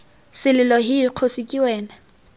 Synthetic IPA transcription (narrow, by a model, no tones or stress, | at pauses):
sɪlɪlɔɦɪːq͡χʰosɪkʼiwɛːna